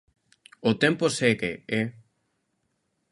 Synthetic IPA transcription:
ot̪emposekee

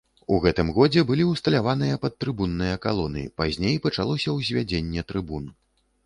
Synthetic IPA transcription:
uɣɛt̪ɨmɣɔd͡zʲɛbɨlʲiwst̪ɐlʲavan̪ɨjɐpɐt̪ːɾɨbunːɨjɐkalˠɔnɨ̰ipazʲnʲejpɐt͡ʂalˠɔsʲɐwzʲvʲad͡zʲenʲːɛt̪ɾɨbun

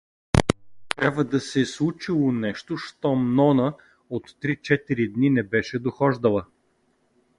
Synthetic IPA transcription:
t̪ɾʲabvəd̪ɐsɛslˠut͡ʃilˠonɛʃt̪oʃt̪ɔmnɔnə | ot̪ːɾit͡ʃɛt̪iɾid̪ninɛbɛʃɛd̪oxɔʒd̪əlˠə

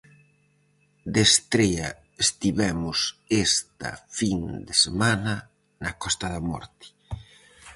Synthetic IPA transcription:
d̪est̪ɾɛɐ | est̪iβɛmʊsest̪ɐ̰find̪esemanɐ | nɐkɔst̪ɐðɐmɔ̰ɾt̪i̥

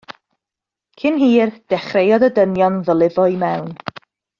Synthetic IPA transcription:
kʰɪnɦiːrd̥ɛχrejɔdədənjɔnðəlˠɪvɔɨmɛwn

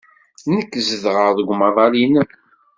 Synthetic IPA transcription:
nəkːzəðʁəɾðəɡʷmɑðˤɑlinək

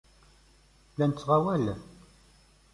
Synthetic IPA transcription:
lænt͡sːʁawælæ

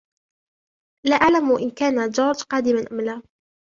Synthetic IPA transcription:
laːʔaʕlamʔɪnkaːnad͡ʒɑːɾˤd͡ʒqɑːd̪ɪmanʔamlaː

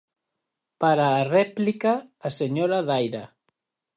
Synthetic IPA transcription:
paɾaːrɛplikaːseɲoɾaðajɾa

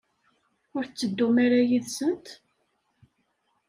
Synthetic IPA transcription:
ʊɾθt͡sːəd̪ːumaɾajiðsənt̪

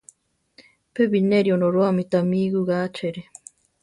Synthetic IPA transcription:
peβineɾionoɾoamit̪amiɡuɣat͡ʃeɾe

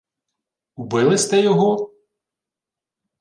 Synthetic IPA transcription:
ubɪlˠɪsʲt̪ɛjɔɦɔ

